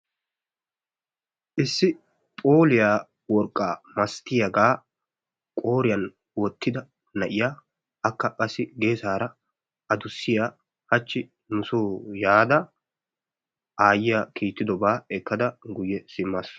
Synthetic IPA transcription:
ʔɪsːɪ | pʼo̞ːlɪjaː | wɔɾkʼːaːmɐst̪ːɪjɐɡaː | kʼo̞ːɾɪjɐn | wɔt̪ʰːɪd̪ɐ | nɐʔɪja | ʔɐkːɐkʼɐsɪɡe̞ːsaːɾɐ | ʔɐd̪ʊsːɪjaː | hɐt͡ʃːɪ | nʊsoːjaːd̪ɐ | ʔaːjɪjɐkʰiːt̪ːɪd̪ɔbaːɛkːɐd̪ɐɡʊjːɛsɪmːas

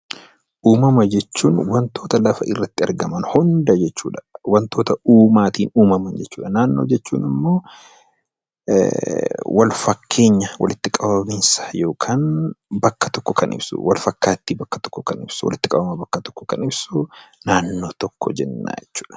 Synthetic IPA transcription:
ʔuːmɐmɐd͡ʒɛt͡ʃːuːnwɐnt̪ʰo̞ːt̪ɐlɐfɐ̰ʔɪrːɐt̪ːɪɐɾɡɐmɐnhɔnd̪ɐd͡ʒɛt͡ʃːṵːᶑɐ̥wɐnt̪o̞ːt̪ɐuːmaːt̪iːnuːmɐmɐnd͡ʒɛt͡ʃːuːᶑɐnaːnːo̞̰ːd͡ʒɛt͡ʃːuːnɪmːo̞ː | wɐlfɐkʰːe̞ːɲːɐwɐ̰lɪt̪ːɪkʼɐbɐbɪnsḁjo̞ːkʰaːnbɐkːɐ̥t̪ɔkːɔkɐnʔɪ̰bsṵwɐlfɐkːaːt̪ːibɐkːɐ̥t̪ɔ̥kːɔkɐnɪbsʊwɐ̰lɪt̪ːɪkʼɐbɐmɐbɐkːɐt̪ɔ̥kːɔ̥kɐnɪbsunaːnːo̞ːt̪ɔkːɔ̰d͡ʒɛnːa̰ːd͡ʒɛt͡ʃːu̥ːᶑɐ̥

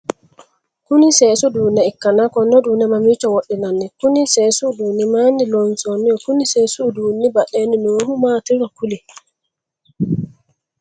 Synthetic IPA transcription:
kunisɛːsuduːniɛkːanakɔnɔdunɛmamit͡ʃɔwoɗːɛnanːɛkunisɛːsudunimanilɔnsonijɔkuniseːsuduːnibaɗeninohumatiɾɔkuli

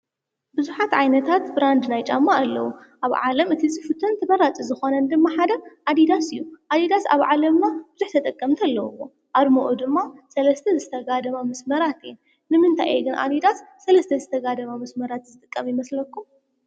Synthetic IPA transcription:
bɨzuħat̪ʕajnɐt̪ʰat̪bɾand̪najt͡ʃʼamːaːlːɐ̰wuʔaβʕa̰lɐmɨt̪ʰizifɨt̪ʰɨnt̪ʰɐbɐɾat͡sʼizɨxo̞nɐnd̪ɨmːaħad̪ɐʔad̪id̪asɨjːuʔad̪id̪asa̰βʕalɐmnab̥ɨzuħt̪ʰɐt̪ʼɐkʼːɐmt̪ʰɐlːɐwuwo̞ | ʔaɾmoʔod̪ɨmːasɐlɐst̪ʰɐzɨt̪ʰɐɡad̪ɐmamɐsmɐɾat̪en | nɨmɨnt̪ʰa̰jʔeɡɨnʔa̰d̪id̪asːɐlɐst̪ʰɐzɨt̪ʰɐɡad̪ɐmamɐsmɐɾat̪zɨt̪ʼɨkʼːɐmjɪmɐslɐkːum

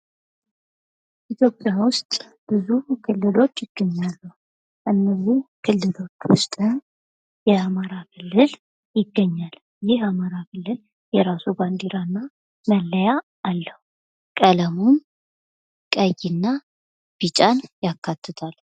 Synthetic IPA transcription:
it̪ʰjo̞pʼjawʊst̪ʼ | b̥ɨzukʰɨlːɨlo̞t͡ʃːjɪɡ̥ːəɲːalːuh | ʔɨnːəzːihkʰɨlːɨlo̞t͡ʃːwʊst̪ʼɨn | jɛamaɾakʰɨlːɨl | jɪɡːəɲːal | jɪhamaɾakʰɨlːɨl | jɛɾasuband̪iɾanːa | məlːəjaː | lːəhu | kʼələmun | kʼəjinːa | b̥it͡ʃʼanjakʰːat̪ʰːɨt̪ʰal

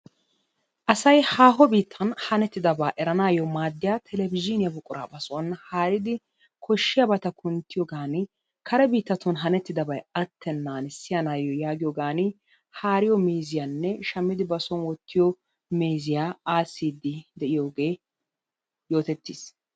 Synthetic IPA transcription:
ʔɐsɐjhaːɦɔbiːt̪ʰːɐnhɐnɛt̪ːɪd̪ɐbaːʔɛɾɐnaːjɔmaːd̪ːɪjaːt̪ʰɛlɛbɪd͡ʒɪnɪjɐbʊkʼʊɾa̰ːbɐsɔɐnhaːɾɪd̪ɪ | kʰɔʃːɪjɐbɐt̪ɐkʰʊnt̪ːɪjɔɡaːnɪ | kɐɾɛbiːt̪ːɐt̪ʊnɦɐnɛt̪ːɪd̪ɐbɐjɐt̪ːɛnːaːnɪsːɪjanaːjɔjaːɡɪjɔɡaːnɪ | haːɾɪjɔmeːzɪjanːɛʃɐmːɪd̪ɪbɐsɔnwɔt̪ːɪjɔ | meːzɪjaːaːsːiːd̪ɪd̪ɛʔɪjoːɡe̞ː | jo̞ːt̪ɛt̪ːiːs

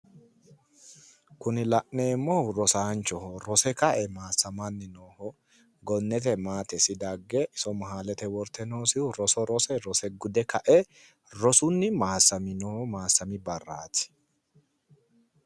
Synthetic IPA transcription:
kʊnɪlɐʔneːmːɔɾɔsaːnt͡ʃɔhɔɾɔsɛkɐʔɛmaːsɐmɐnːɪnoːhɔ | ɡɔnːɛt̪̬ɛmaːt̪ɛsɪd̪ɐɡːɛʔɪsɔmɐɦaːlɛt̪ɛwɔɾt̪ɛnoːsɪʊɾɔsɔɾɔsɛɾɔsɛɡʊd̪ɛkɐʔɛ | ɾɔsʊnːɪmaːsːɐmɪnoːhɔmaːsːɐmɪbɐrːaːt̪ɪ̥

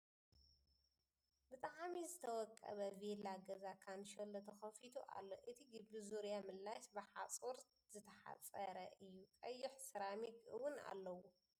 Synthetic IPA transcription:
bɨt̪ʼaʕmizɨt̪ʰɐwɔkʼːɐ̰βɐvelaɡɐzakʰanʃolɐt̪ʰɐxɐfit̪ʰuʔa̰lːo̞ʔɨt̪ʰiɡɨbizuɾjamɨlːaʃbɨħat͡sʼoɾ | z̥ɨt̪ʰɐħa̰t͡sʼɐɾɐʔɨjːukʼɐjːɪħsɨɾamikɨ̰wʊna̰lːɐwu

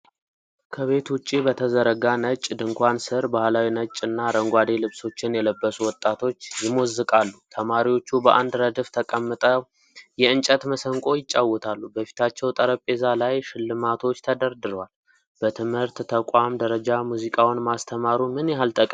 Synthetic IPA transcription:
kʰəβe̞t̪wʊt͡ʃʼːibət̪ʰəzəɾəɡanət͡ʃʼːd̪ɨŋkʷansɨɾbahlawinət͡ʃʼːɨnːaɾəŋɡʷad̪e̞lɨβso̞t͡ʃːɪnjɛləbːəsuwɔt̪ʼat̪ʰo̞t͡ʃːjɪmozːɨkʼalːut̪ʰəmaɾiwo̞t͡ʃːubəʔand̪ɾəd̪ɨft̪ʰəkʼəmːɨt̪ʼə | jɛɨnt͡ʃʼət̪məsəŋkʼo̞jɪt͡ʃʼːawɔt̪ʰalːubəfi̥t̪ʰat͡ʃːɛwt̪ʼəɾəpʼːe̞zalajʃɪlːɨmat̪ʰo̞t͡ʃːt̪ʰəd̪əɾd̪ɨɾwal | b̥ət̪ʰɨmhɨɾt̪t̪ʰəkʼamd̪əɾəd͡ʒamuzikʼawnmast̪ʰəmaɾumɨnjɛɦalt̪ʰʼəkʼ

